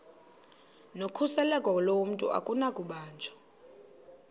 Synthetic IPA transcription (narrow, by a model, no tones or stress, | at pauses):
nokʰusɛlɛkʼwalowm̩tʼṵʔa̰kʼunakʼuɓaːnt͡ʃʰʼɔ̥